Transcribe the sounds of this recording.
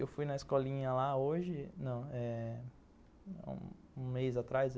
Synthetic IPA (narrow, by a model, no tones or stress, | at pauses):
ewfujnɐɪskɔlĩɲɐlaoʒɪnɐ̃w̃ɛ | ṵ̃ | ũmejzat̪ɾajz